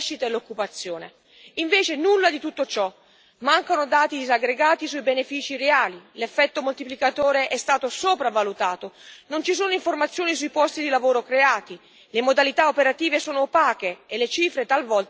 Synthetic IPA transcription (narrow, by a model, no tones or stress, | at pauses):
ʃːit̪aelːokːupat̪sːjoːne | iɱveːt͡ʃenulːad̪it̪ut̪ːot͡ʃɔ | maŋkanod̪aːt̪id̪izaɡɾeɡaːt̪isuibenefiːt͡ʃiɾeaːlilefːɛt̪ːomolt̪iplikat̪oːɾeʔɛst̪aːt̪osoːpɾavalut̪aːt̪onont͡ʃisoːnoiɱformat̪sːjoːnisuipɔst̪id̪ilavoːɾokɾeaːt̪i | lemod̪alit̪aopeɾat̪iːvesoːnopaːkeːlːet͡ʃiːfɾet̪alvɔlt̪